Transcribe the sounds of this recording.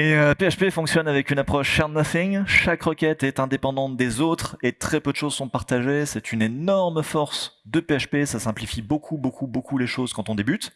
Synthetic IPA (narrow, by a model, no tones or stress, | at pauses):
eøpeaʃpefɔ̃ksjɔnavɛkʲynapχɔʃʃɛʁnaθiŋʃakʁɔkʲɛt̪ɛt̪ɛ̃d̪epɑ̃d̪ɑ̃t̪d̪ezot̪χet̪χɛpød̪ʃozsɔ̃paʁt̪aʒesɛt̪ynenɔʁmfɔʁsd̪əpeaʃpesasɛ̃plifibokʰubokubokuleʃozkɑ̃t̪ɔ̃d̪ebyt̪